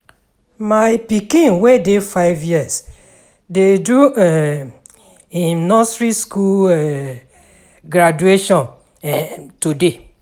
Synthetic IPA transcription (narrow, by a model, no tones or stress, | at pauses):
maɪpikĩnwedefaɪvjiɛs | dedɹuɛ | ĩnnɔsɹiskulɛ | ɡɾad͡ʒueʃɔ̃n | ɛtude